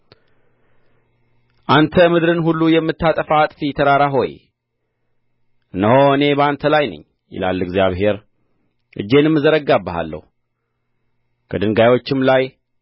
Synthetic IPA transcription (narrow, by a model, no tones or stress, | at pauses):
ʔant̪ʰəmɨd̪ɾɨnhulːujɛmːɨt̪ːat̪ʼəfat̪ʼfjɛt̪ʰəɾaɾaɦo̞j | ʔɨnːəhoɨne̞bəant̪ʰəlajnɨ̰ɲː | jɪ̰la̰lːɨɡzjaβɦe̞ɾ | ʔɨ̰d͡ʒːe̞nɨmːɨzəɾəɡːabːəɦa̰lːə̰hu | kʰəd̪ɨŋɡajwo̞t͡ʃːɪmlaj